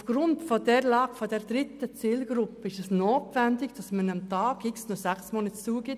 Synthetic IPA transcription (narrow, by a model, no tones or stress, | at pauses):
fɡ̥ɾʊntfɔdɛɾlɑːɡ̥fod̥ɛɾd̥ɾɪt̪ət͡siːlɡ̥ɾʊpːəɪʃɛsnoːtʋɛndɪɡd̥ɑsmənəmtɑːɡ̥ɪksnʊzæksmoːnət͡suəɡ̥ɪt